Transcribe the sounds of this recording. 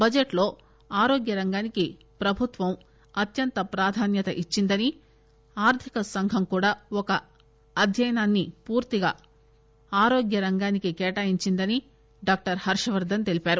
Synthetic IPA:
bɐd͡ʒeʈlo̞ː | aːɾoːɡjɐɾɐŋɡaːniki | pɾɐbʱut̪ʋɐm | ɐt̪jɐnt̪ɐpɾaːd̪ʱaːnjɐt̪ɐʔit͡ʃːind̪ɐni | aːɾt̪ʰikɐsɐŋɡʱɐmkuːɽaːɔkɐː | d̪ʱjɐjɐnaːnːipuːɾt̪iɡaː | aːɾoːɡjɐɾɐŋɡaːnikikɛːʈaːjiɲt͡ʃind̪ɐni | ɖaːk̚ʈɐɾhɐɾʂɐʋɐɾd̪ʱɐnt̪e̞lipaːɾu

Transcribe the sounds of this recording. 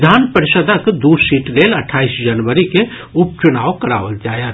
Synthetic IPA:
d̪ʱaːnpəɾɪʃəd̪əkd̪uːɾsiːʈɾeːləʈʰaːisd͡ʒənʋəɾike | ʊp̚t͡ʃʊnaːʋkəɽa̰ːʋəld͡ʒaːjət̪

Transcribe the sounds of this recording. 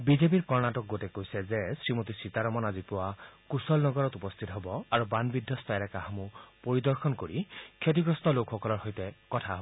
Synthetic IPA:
bizep̬iɹkɔɹnatɔk̚ɡotekojsɛzesɹimot̪isit̪aɾɔmɔnazipɔwakusɔlnɔɡɔɹɔt̪upɔst̪ʰit̪ɔɦebɔaɹubanbid̪ʱːɔst̪ajɾakahɔmupoɹid̪ɔɹxɔnkoɹikʰet̬iɡɹɔst̪ʰɔlokʰxɔkɔlɔɹhojt̪ɛkɔtʰaɦɔbɔ

